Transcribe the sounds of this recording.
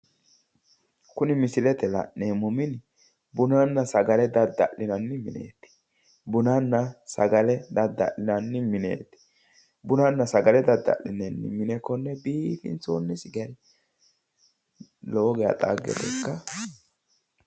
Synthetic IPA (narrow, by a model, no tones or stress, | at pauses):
kʊnɪmɪsɪlɛt̪ɛlɐ̰ʔneːmʊmɪn | bʊnɐnːɐsɐɡɐlɛd̪ɐd̪ːɐ̰ʔɪnɐnːɪmɪnḛːt̪ːɪ̥ | bʊnɐnːɐsɐɡɐlɛd̪ɐd̪ːɐ̰ʔlɪnɐnːɪmɪnḛːt̪ɪ̥ | bʊnɐnːɐsɐɡɐlɛd̪ɐd̪ːɐ̰ʔlɪnɛnːɪ̰mɪnɛkːɔnːɛbiːfɪ̰nt͡so̰ːnːɛsɪɡɛɾɪ | loːɡɛja̰t̪ʼa̰ːɡːɛ̰t̪ɛkːɐ